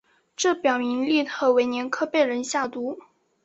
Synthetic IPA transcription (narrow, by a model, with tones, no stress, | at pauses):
ʈ͡ʂɤ˥˩pjɑ˨˩ʊmi˧˥ŋli˥˩t̪ʰɤ˧˥˩we˧˥ɪnjɛ˧˥nkʰɤ˥˧pe˥˩ɪɻə˧˥nɕja˥˩t̪u˧˥